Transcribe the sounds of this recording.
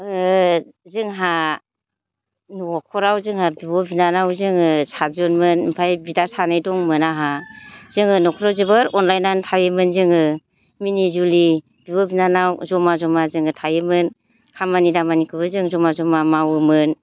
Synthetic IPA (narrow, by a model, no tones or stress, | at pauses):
ɯ | zɯŋɦa | nuɔkʰɔɾawzɯŋhabiwɔbinanawzɯŋɯsʰazɯnmɯnmpʰajbidasanajdɔŋmɯnaɦazɯŋɯnɔkʰɔɾawzɯbɯɾɔnlajnantʰajɯmɯnzɯŋɯ | minizuli | biwɔbinanawzɔmazɔmazɯŋɯtʰajɯmɯn | kʰamanidamanikʰɯbɯzɯŋzɔmazɔmamawɯmɯn